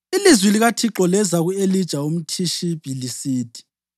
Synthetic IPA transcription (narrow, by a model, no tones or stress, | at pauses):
ilizwiliɣatʰiǁɔlɛzaɣuelid̥ʒ̥ʱaum̩tʰiʃib̥ʱilisiːd̥ʱʼi̥